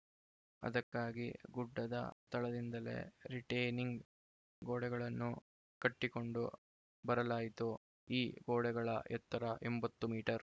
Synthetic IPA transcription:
ɐ̰d̪ɐkːaːɡiɡuɖːɐd̪ɐ̰t̪ɐɭɐd̪ind̪ɐle̞̰ɾiʈɐjniŋɡ | ɡoːɽɛɡɐɭɐnːu | kɐʈːiko̞ɳɖu | bɐɾɐlaːjit̪u | iːɡoːɽɛɡɐɭɐ̰ɛt̪ːɐɾɐʔembɐt̪ːumiːʈɐɾ

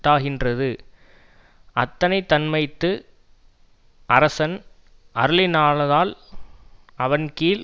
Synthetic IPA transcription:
ʈ̪ːaːɣɪndrɐðɯ | ʔɐt̪ːɐnɐɪt̪ːɐnmɐɪt̪ːɯ | ʔɐɾɐsɐn | ʔɐɾɯlɪnaːɭɐðaːl | ɐʋɐnkiːl

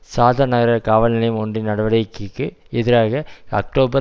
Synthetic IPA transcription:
saːðɐnɐɣɐɾɐkaːʋɐlnɪlɐjmɔndrɪnɐɽɐʋɐɽɐɪkːikːɯ | ɪðɪɾaːɣɐɐ̰k̚ʈoːbɐ

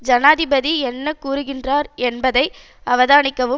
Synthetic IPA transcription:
d͡ʒɐnaːðɪbɐðiɛnːɐkuːɾɯɣɪndraːɾɛnbɐðɐɪ | ɐʋɐðaːnɪkːɐʋɯ

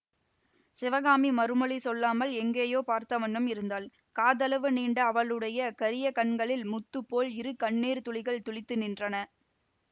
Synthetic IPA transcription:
sɪʋɐɣaːmimɐɾɯmɔɭisɔlːaːmɐlɛŋɡeːjoːpaːɾt̪ɐʋɐɳːɯmɪɾɯnd̪aːl | kaːðɐlɐʋɯniːɳɖɐɐʋɐɭɯɽɐjɐkɐɾɪjɐkɐɳɡɐɭɪlmʊt̪ːɯpːoːlɪɾɯkɐɳːeːɾt̪ʊɭɪɣɐɭt̪ʊɭɪt̪ːɯnɪndrɐnɐ

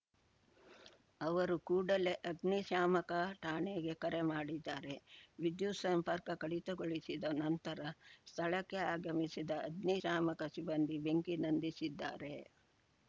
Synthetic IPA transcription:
ɐʋɐɾukuːɽɐle̞ʔɐd̪niʃaːmɐkɐʈaːɳeɡe̞kɐɾemaːɽid̪ːaːɾe̞ʋid̪jusɐmpɐɾkɐkɐɽit̪ɐɡoɭisid̪ɐnɐnt̪ɐɾɐst̪ʰɐɭɐkːeaːɡɐmisid̪ɐːd̪niʃaːmɐkɐsibɐnd̪ibeŋkinɐnd̪isid̪ːa̰ːɾe

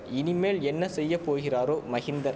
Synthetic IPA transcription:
ɪnɪmeːlɛnːɐsɛjːɐpoːɣɪraːɾoːmɐɣɪnd̪ɐɾ

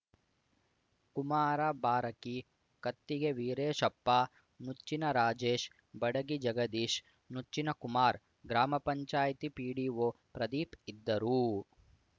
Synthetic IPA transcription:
kumaːɾɐbaːɾɐki | kɐt̪ːiɡeʋiːɾeːʃɐpːaː | nut͡ʃːinɐɾaːd͡ʒeːʃ | bɐɽɐɡid͡ʒɐɡɐd̪iːʃ | nut͡ʃːinɐkumaːɾ | ɡɾaːmɐpɐɲt͡ʃaːjɐt̪ipiːɽiʋo | pɾɐd̪iːpid̪ːɐɾu

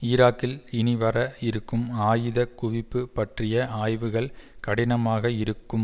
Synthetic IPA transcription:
ɪːɾaːkːɪlɪnɪʋɐɾɐɪɾɯkːɯmaːjɯðɐkʊʋɪpːɯpɐʈrɪjɐaːjʋɯɣɐɭkɐɽɪnɐmaːɣɐɪɾɯkːɯm

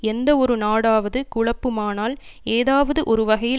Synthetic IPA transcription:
ɛnd̪ɐɔɾɯnaːɽaːʋɐðɯkʊɭɐpːɯmaːnaːl | eːðaːʋɐðɯʔɔɾɯʋɐɣɐjɪ

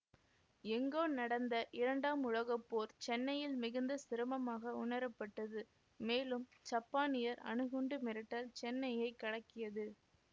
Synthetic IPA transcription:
ɛŋɡoːnɐɽɐnd̪ɐʔɪɾɐɳɖaːmʊɻɐɣɐpːoːɾt͡ʃɛnːɐjɪlmɪɣɯnd̪ɐsɪɾɯmɐmaːɣɐʊɳɐɾɐpːɐʈːɐðɯ | meːlɯmt͡ʃɐpːaːnɪjɐɾɐ̰ɳɯɣɯɳɖɯmɪɾɪʈːɐlt͡ʃɛnːɐjɐɪkːɐɽɐkːɪjɐðɯ

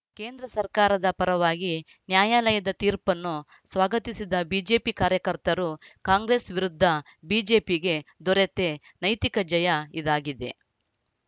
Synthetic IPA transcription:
ke̞ːnd̪ɾɐsɐɾkaːɾɐd̪ɐpɐɾɐʋaːɡi | njaːjaːlɐjɐd̪ɐt̪iːɾpɐnːu | sʋaːɡɐt̪isid̪ɐbiːd͡ʒe̞ːpikaːɾjɐkɐɾt̪ɐɾukaːŋɡɾe̞ːsʋiɾud̪ʱːɐ | biːd͡ʒe̞ːpiɡe̞d̪ɔɾet̪e | nɐjt̪ikɐd͡ʒɐjɐid̪aːɡid̪e̞̰

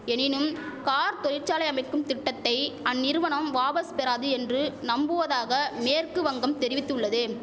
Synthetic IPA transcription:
ɛnɪnɯm | kaːɾt̪ɔɾɪɾt͡ʃaːlɐɪɐmɐɪkːɯmt̪ɪʈːɐt̪ːɐɪɐnːɪɾɯʋɐɳɐmʋaːpɐspɛɾaːðɯɛndrɯnɐmbɯʋɐðaːɣɐmeːrkɯʋɐŋɡɐmt̪ɛɾɪʋɪt̪ːɯɭːɐðɯ

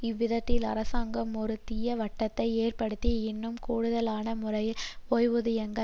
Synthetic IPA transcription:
ɪʋːɪðɐt̪ːɪlɐɾɐsaːŋɡɐmɔɾɯt̪ːɪjɐʋɐʈːɐt̪ːɐɪeːrpɐɽɯt̪ːiɪnːɯmkuːɽɯðɐlaːnɐmʊrɐɪloːjʋɯðɪjɛŋɡɐ

